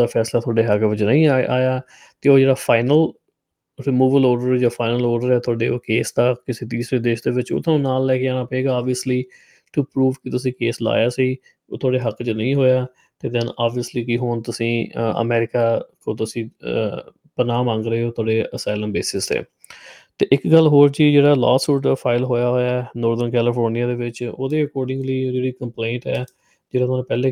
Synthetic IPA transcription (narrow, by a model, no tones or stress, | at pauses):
aːpʰɛːslaːt̪ʰʊaːɖeːɦəkʋɪt͡ʃnə̃ĩːʔa̰ːjaː | t̪eːoːd͡ʒeːɽaːpʰaːɪnəl | ɾɪmuːʋəloːɖəɾd͡ʒaːfʰaːɪnəloːɾɖəɾɛːt̪ʰʊaːɖḛːoːkeːsd̪aːkɪseːt̪̬iːsɾeːd̪eːʃd̪eːʋɪt͡ʃo̰t̪ʰãnaːlːɛːkɪaːnaːpəeːɡaːaːbiəsliː | ʈupɾuːʋkɪt̪ʊsĩːkeːsla̰ːjaːsiː | oːt̪ʰʊaːɖeːɦəkt͡ʃənəĩːɦoːjaː | t̪eːd̪ɛnaːbiəsliːkiɦoːnt̪ʊsĩːə̰mɛːɾɪkaːkõːt̪ʊsĩː | pənaːmãːŋɡɾəeːoːt̪ʰʊaːɽeːəsaːɪləmbeːsɪsḛː | t̪eːʔɪkɡəlːɦoːɾd͡ʒiːd͡ʒeːɽaːlɔːsuːʈəpʰaːɪlɦoːjaːɦoːjaːɛnɔːɾd̪ənkɛːlɪpʰoːɾnɪjaːd̪eːʋɪt͡ʃo̰ːd̪eːəkɔːɾɖɪ̃ŋɡliːd͡ʒeːɽiːkəmplẽːɳʈɛː | d͡ʒeːɽaːt̪ʰːñːpɛːleː